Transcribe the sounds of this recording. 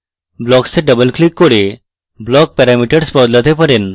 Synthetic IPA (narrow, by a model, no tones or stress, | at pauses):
blɔkseɖəbəlklikːoɽe | blɔk̚pɛɾamiʈəɽspɔd̪lat̪epəɾen